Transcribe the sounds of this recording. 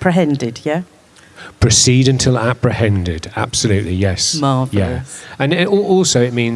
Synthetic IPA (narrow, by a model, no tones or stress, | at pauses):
pʰɹ̥ɪɦɛ̃ndɪd̥jæ | pʰɹ̥ɨsiɾɨ̃ntʰɪlˠapʰɹ̥ɨhɛ̃ndɪda̰b̥səlʉˑʔlijɛsmɑːvjæə̃nɔɔˑlˠsoʊɪʔ̚mĩn